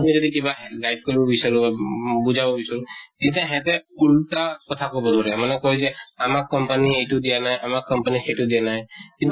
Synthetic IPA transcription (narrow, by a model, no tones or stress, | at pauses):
mid͡ʒɔɾikibaɦɡajɖ̚kɔɾibɔbisɔɾuabud͡ʒabɔbisɔɾut̪ĩt̪ɛ̃ɦɛ̃t̪ɛulʈakɔt̪ʰakɔbɔd̪ʱɔɾɛmanɛkɔɦid͡ʒɛamakːɔmpaniejʈud̪ijanaɦjʔamakːɔmpaniseʈud̪ijanajkĩnt̪